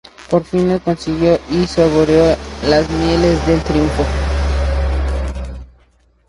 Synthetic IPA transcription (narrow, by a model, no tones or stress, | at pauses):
poɾfinekonsiɣjoʔisoβoɾjolazmjelezðelt̪ɾiuɱfo